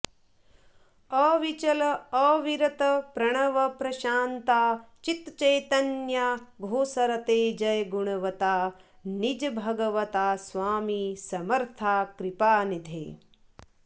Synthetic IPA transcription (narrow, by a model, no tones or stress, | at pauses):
ɐʋit͡ʃɐlɐːʋiɾɐt̪ɐpɾɐɳ̃ɐʋɐpɾɐʃaːnt̪aːt͡ʃit̪t͡ʃɐjt̪ɐnjabʱoːsɐɾɐt̪eːd͡ʒɐjɡuɳ̃ɐʋɐt̪aː | nid͡ʒbʱɐɡɐʋɐt̪aːsʋaːmisɐmɐɾt̪ʰaːkɾipaːnid̪ʱḛː